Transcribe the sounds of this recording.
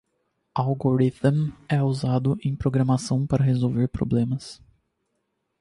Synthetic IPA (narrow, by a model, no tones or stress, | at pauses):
alɡoɾit̪mɛuzad̪ʊʔẽj̃pɾoɡɾɐmasɐ̃w̃paɾɐɦezowveɾpɾo̰blẽmɐs